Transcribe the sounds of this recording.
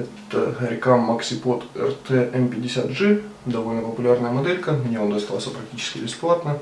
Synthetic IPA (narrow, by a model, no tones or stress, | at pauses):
ɛt̪ə̰ɾʲɪkamːɐksʲɪpo̞t̪ɛ̰rt̪ɛɛmpʲɪdʲɪsʲat̪ʐɨ | d̪ɐvo̞lʲnəpəpʊlʲarnəjəmɐd̪ɛlʲkəmnʲevomd̪ɐst̪alˠsʲəpɾɐk̚tʲit͡ɕɪskʲɪbʲɪsplˠat̪nə